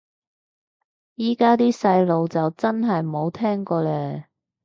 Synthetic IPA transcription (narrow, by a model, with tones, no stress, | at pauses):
jiː˥kaː˥t̪iː˥sɐ˧jlo˨˧wt͡sɐ˨wt͡sɐ˥nɦɐ˨jmo˨˧wt̪ʰɛː˥ŋkɔː˧lɛː˧